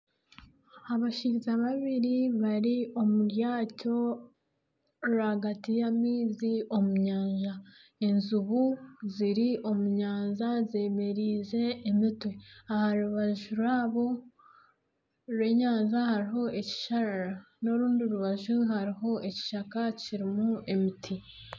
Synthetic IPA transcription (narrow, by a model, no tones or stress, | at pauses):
aβaʃiɾizaβaβiɾiβaɾio̞muɾjaːco̞ | ɾaɡatijamiːzio̞muɲaːɲʒa | enzuβuziɾiʔo̞muɲaːnzaze̞ːme̞ɾiːze̞ːmitwe̞ahaɾuβaʒuɾwaːβo̞ | ɾwe̞ɲaːnzahaɾiɦo̞e̞ci̥ʃaɾaɾa | no̞ɾuːndioɾuβaʒuɦaɾiɦo̞ʔe̞ci̥ʃakaciɾimue̞mitʰi